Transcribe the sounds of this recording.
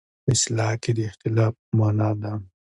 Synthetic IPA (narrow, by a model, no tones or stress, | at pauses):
ɪslɑːkid̪iɪxt̪ɪlaːfmaːnad̪a